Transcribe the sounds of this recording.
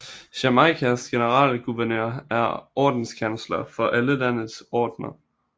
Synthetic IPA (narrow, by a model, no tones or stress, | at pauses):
ɕæmɑ̈ɪkʰæsɡ̥e̝nəʁɑ̰̈ːlɡ̥uʋæɐnø̰ɐ̰æɐʔɒːd̥n̩skʰænslɐfɒ̽ʔæləlæn̰əsɒːd̥nɐ